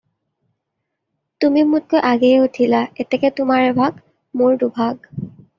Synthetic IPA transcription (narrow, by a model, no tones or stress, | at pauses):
tumimut̚kojʔaɡɛɛutʰilaɛtɛkɛtʊmaɹɛbʱaɡ | moɹdubʱaɡ